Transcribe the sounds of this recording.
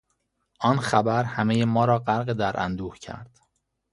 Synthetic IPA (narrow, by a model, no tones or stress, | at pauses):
ʔɒːnxæbæɾhæmejemɒːɾɒːɢæɾɣed̪æɾʔæ̰nd̪uːhcʰæ̰ɾd̪̥